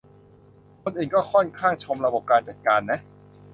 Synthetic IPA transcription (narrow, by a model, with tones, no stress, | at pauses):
kʰo˧nʔɯː˨˩nkɔː˥˩kʰɔ˥˩nkʰaː˥˩ŋt͡ɕʰo˧mɾa˧bo˨˩p̚kaː˧nt͡ɕa˨˩kaː˧nːa˦˥